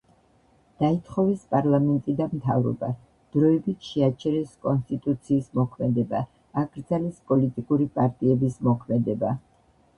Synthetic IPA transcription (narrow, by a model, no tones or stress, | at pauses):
d̪̥ait̪ʰχɔvɛspʼaɾlˠamɛnt̪ʼid̪amt̪ʰa̰vɾɔ̰ba | d̪̥ɾɔɛbit̪ʰʃɛat͡ʃʰɛɾɛskʼɔnst̪ʼit̪ʼut̪sʰiːsmɔkʰmɛd̪ɛbaː | ɡɾd̪zalɛspʼɔlit̪ʼikʼuɾipʼaɾt̪ʼiɛbismɔkʰmɛd̪ɛba